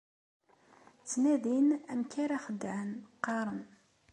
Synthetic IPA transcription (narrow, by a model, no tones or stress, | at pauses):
t͡sːnæðinæmkaɾaχəd̪ːʕənqːɑɾˤən